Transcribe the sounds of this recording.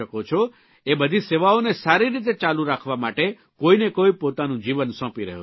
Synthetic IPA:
əkot͡ʃʰo | ebəd̪ʱiseʋaonesaɾiɾit̪̬et͡ʃaluɾakʰʋamaʈe | koinekoipot̪anũd͡ʒiʋənsɔ̃piɾə̰ɦo̰

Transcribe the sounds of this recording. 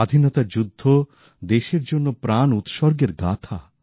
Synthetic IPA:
ad̪ʱinɔt̪ad͡ʑud̪ʱːo | d̪eʃeɾd͡ʑonːopɾanut̪ʃɔɾɡeɾɡa̰t̪ʰa

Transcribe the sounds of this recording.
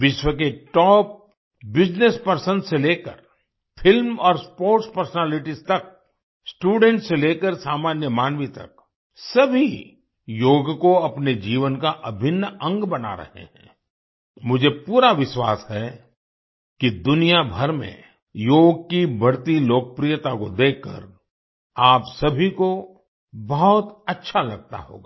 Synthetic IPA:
ʋɪʃwək̬eʈɔːp̚ | bɪd͡ʒnespəɾsə̃nseleːkə̰ɾ | pʰɪlmɔːɾspoːɾʈspəɾsənɛːlɪʈizt̪ɐk̚ | sʈuːɖɛ̃ɳʈseleːkəɾsaːmaːnjəmaːnʋit̪ɐ̰k̚ | sɐbʱi | joːɡkoɐpned͡ʒiːʋənkaʔɐbʱɪnːə̃ŋɡbɐna̰ɾɐ̰hḛɦɛ̰̃ː | mʊd͡ʒʱepuːɾaʋɪʃwa̰ːshɛ | kid̪ʊnijabʱɐɾmḛ̃ | joːɡ̚kibʱɐɾt̪iloːkəpɾijət̪akod̪eːkʰːə̰ɾ | aːpsɐbʱiko | bɔɦʊt̪ɐtːʃʰalɐɡ̚t̪a̰ɦo̰ːɡaː

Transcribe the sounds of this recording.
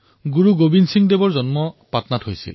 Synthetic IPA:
ɡuɹuɡobinsiŋdebɔɹzɔnmɔpatnathojsḭl

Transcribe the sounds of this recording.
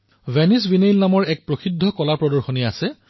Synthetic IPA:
vɛnis̬binejlnamɔɹɛk̚pɹoxidʱːɔkɔlapɹɔdɔɹxoniasɛ

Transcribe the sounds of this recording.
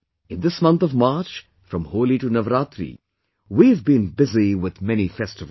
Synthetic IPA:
ɪ̃nd̪ɪsmʌ̃nt̪ɔvmaːt͡ʃ | fɾə̃mhoːliʈunʌvɾaːt̪ɾḭ | wiɨvbĩnbɪziwɪð̥mɛnifɛstɨv

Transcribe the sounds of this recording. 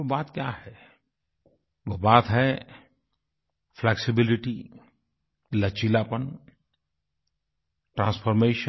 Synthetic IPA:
baːt̪kjaɦɛ | ʋobaːt̪ɦɛ | fʰlɛːksɪbɪlɪʈi | lɐt͡ʃilaːpən | ʈɾãːnsfʰɔɾmeːʃə

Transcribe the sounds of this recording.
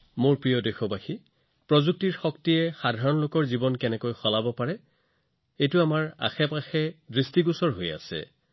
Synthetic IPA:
moɹpɹijɔdexɔbaxi | pɹɔzuk̚tiɹxɔktijɛxadʱaɹɔnlokɔɹzibɔnkɛnɛkojxɔlabɔpaɹɛ | ejtʊamaɹa̰xɛpaxɛdɹistiɡusɔɹɦoja̰sɛ̰

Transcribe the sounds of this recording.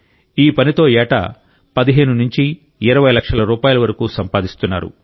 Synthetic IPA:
iːpɐnit̪o̞ːɛːʈɐ̰ | pɐd̪iɦe̞ːnunuɲt͡ʃiː | ɾɐʋɐjlɐkʂɐlɐɾuːpaːjulɐʋɐɾɐkuːsɐmpaːd̪ist̪unːa̰ːɾṵ

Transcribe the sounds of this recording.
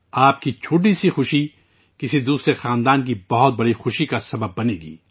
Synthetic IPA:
aːp̚kit͡ʃʰoːʈ̬isixʊʃi | kɪsid̪uːsɾexaːnd̪aːnk̬ibɐɦʊt̪̚bɐɽixʊʃikasɐbəbːɐneːɡḭː

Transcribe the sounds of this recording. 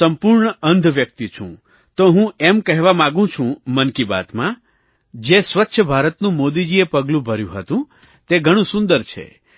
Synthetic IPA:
əmpuɾɳəənd̪ʱʋjək̚t̪it͡ʃʰṵ̃ | t̪oɦũɛmkəɦʋamãɡũt͡ʃʰũmənkiba̰t̪mã | d͡ʒesʋətːʃʰəbʱaɾət̪nũmod̪id͡ʒiepəɡlũbʱəɾjṵ̃ɦət̪ũ | t̪eɡʱəɽ̃ũsũnd̪əɾt͡ʃʰḛ

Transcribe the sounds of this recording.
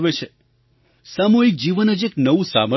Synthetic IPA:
ʋet͡ʃʰe | samuɦik̚d͡ʒiʋənəd͡ʒeknəʋũsa̰mə

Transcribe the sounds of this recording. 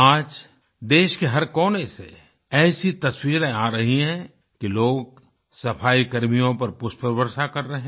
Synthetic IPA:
aːd͡ʒ | d̪eːʃkeɦɐɾkɔːnesḛ | ɛːsit̪ɐswiːɾẽaːɾɐɦiɦɛ̃ | kiloːɡ̚ | sɐpʰaːikɐɾmijõpɐɾpʊʃpəɾbəɾsakɐɾːɐɦẽː

